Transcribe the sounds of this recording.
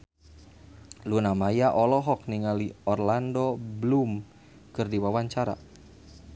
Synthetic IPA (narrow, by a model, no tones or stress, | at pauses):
lunamajaʔɔlɔɦɔk̚niŋaliɔrlandɔblum | kɨrdiwawaɲt͡ʃaɾa̰